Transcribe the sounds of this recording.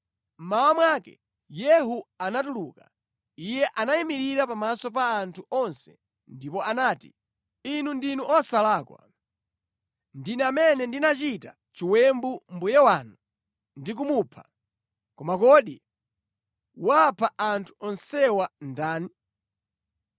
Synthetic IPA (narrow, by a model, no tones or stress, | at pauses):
m̩mawamwaːkɛ̰ | jɛɦuanatuluka̰ | ijɛʔanajimiɾiɾapamasɔp̬aːntʰuɔnsɛ̥̰ | ndipɔanaːtḭ | inundinuʔɔsalaːkwa̰ | ndinɛamɛnɛndinat͡ʃita̰ | t͡ʃiwɛmbumbujɛwaːnu | ndik̬umupʰa̰ | kɔmakɔɗi | wapʰaʔantʰu̥ɔnsɛwandaːni